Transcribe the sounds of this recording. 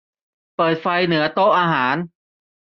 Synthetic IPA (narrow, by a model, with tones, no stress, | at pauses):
pɤː˨˩t̪̚fa˧jnɯ˩˦ɐt̪o˥˩ʔaː˧ɦaː˩˦n